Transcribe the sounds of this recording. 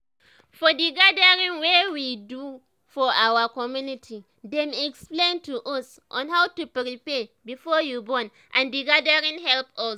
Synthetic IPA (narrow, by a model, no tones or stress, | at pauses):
fɔdiɡadaɹĩŋwewidu | fɔʔawakɔmjunitʰi | dɛ̃mɛksplẽntuʔɔs | ʔɔ̃nhawtupɹipɛbifɔjubɔ̃n | ʔãndiɡadaɹĩŋɦɛlpɔs